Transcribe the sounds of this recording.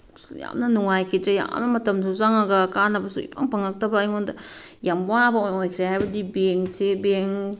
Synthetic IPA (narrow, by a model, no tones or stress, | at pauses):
ja̰mnɐnuŋajkʰitɾɐja̰mnɐmɐtɐmsuzaŋaɡɐkanɐbɐsuḭpʰaŋpaŋak̚tɐbaːjŋondɐ | jamwabɐojojkʰɾeajbɐdibeŋsebeŋ